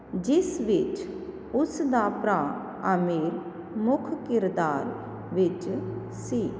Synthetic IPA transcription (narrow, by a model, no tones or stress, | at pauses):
d͡ʒɪsʋɪt͡ʃ | ʊsd̪aːpɾaː | əmeːɾ | mʊkʰkɪɾd̪aːɾ | ʋɪt͡ʃ | siː